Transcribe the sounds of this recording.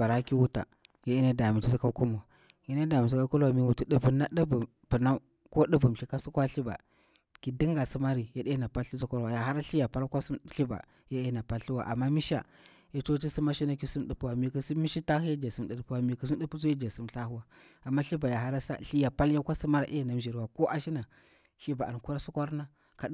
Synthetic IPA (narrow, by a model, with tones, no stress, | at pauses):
a˨ɾa˦ki˦wu˦ta̰˨ja˦i˦na˦da˨mi˨t͡ʃi˦si˦ka˦ku˦mu˨a˨ | ji˦a˦da˨mi˨s̬i˦ka˦ku˦la˨mi˨wu˨ti˦ɗu˨vu˨na˦ɗi˦vu˨m | pu˨na˦ | ko˦ɗu˦vu˨m˨ɬi˦ka˦su˦kʷa˦ɬi˦ba̰˨ | ki˨di˦ŋɡa˨si˦ma˦ɾi˨ja˦ɗi˦na˨pa˦lɬu˦su˦ko˦ɾwa˨ja˨ɦa˦ɾa˦ɬi˦ja˨pa˦lkʷa˦su˦ɬi˦ba̰˨ | ja˦e˦na˨pa˦lɬu˦wa̰˨ʔa˨mːa˦mi˦ʃa̰˨ | ja˨t͡ʃo˦t͡ʃi˦si˦ma˦ʃi˦na˦ki˨su˦mɗu˨pu˦wa˨mi˨ki˨si˦mi˦ʃi˦ta˦hi˦ja˦d͡ʒa˨si˦mɗi˨ɗpu˦wa˨mi˨ki˨s̬u˦di˦pu˦s̬u˦ja˦d͡ʒa˨si˦mɬa˦hu˦wa˨ | a˨mːa˦ɬi˦ba˨ja˨ɦa˦ɾa˦sa̰˦ɬi˦ja˨pa˦lja˦kʷa˦si˦ma˦ɾa̰˨ʔe˦˨na˨m˦ʒi˨ɾwa˨ko˦ʔa˦ʃi˦na˨ | ɬi˦ba˨a̰˨n˨ku˦ɾa˦su˦kʷa˦ɾna˦ | ka˨˦